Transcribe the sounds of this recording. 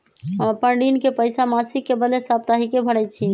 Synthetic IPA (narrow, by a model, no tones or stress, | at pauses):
əmpəɳɖinkepəjsamasikːebəlesap̚t̪aɦikebʱəɽɛjt̪̚t͡ʃʰi